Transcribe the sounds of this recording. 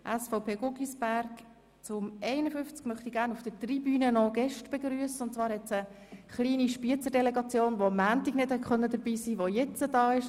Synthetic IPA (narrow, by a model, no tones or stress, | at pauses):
ʔɛsfɔʊpʰeːɡʊɡisb̥æɾk | t͡sʊmʔɛɪnəfʏft͡skmœχt̪iɡæːɾrnufd̥ətribyːnənɔɡ̥ɛʃtb̥ɛɡɾyəsəʊntt͡svɑːɾhɛt͡sə | χliːniʃpiət͡səɾdɛlɛɡɑt͡sjoːnʋoɑmːæːntiɡnɪd̥hɛtχœnːəd̪əɾbiːsiːʋojɛt͡səd̥ɑːɪʃ